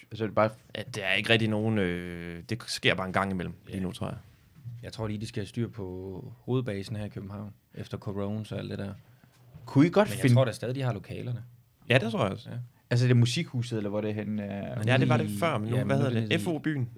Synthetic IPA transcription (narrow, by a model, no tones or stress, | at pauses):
æsəde̝b̥ɑ̈ːjæd̥e̝æɐe̝ɡ̥ʁɛɡ̥d̥ino̝ːn̩ød̥e̝sɡ̥e̝ɐ̰̥ɑ̈ːe̝nɡ̥ɑ̈ŋ̰imel̰m̩lliːnut͡sʰʁo̰ɐja | jɑ̈ɪt͡sʰʁo̝̰ːliːd̥isɡ̥æsd̥y̰ːɐ̰pʰɒ̽ho̝ːð̞̩ˠb̥ɛːsn̩hæɐikʰøb̥̚m̩hɑ̈ʊ̰n | ʔefd̥ɐkʰoʁoʊnsɒ̽æld̥e̝d̥æɐ̰ | kʰuiɡ̥ɒ̽d̥mnfjaeʁo̝̰ːd̥æsɛːðˠid̥ihɑ̈lo̝kʰɛ̰ːlɐnə | jæd̥e̥t͡sʰʁo̝ɐ̰jɒs | ælsə̥e̝ɐmusiɡ̥huːsð̩ˠelɐʋɒɾ̥eɦenæɐjæde̝ʋɑ̈ɾefɶɐ̰menːʋæheðˠdeefo̝b̥y̰ːn